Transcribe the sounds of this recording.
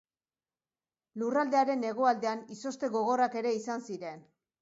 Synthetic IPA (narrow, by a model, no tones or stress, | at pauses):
lurald̪e̞aɾe̞ne̞ɣ̞o̞ald̪e̞aniso̞st̪e̞ɣo̞ɣ̞o̞rake̞ɾe̞isansiɾe̞n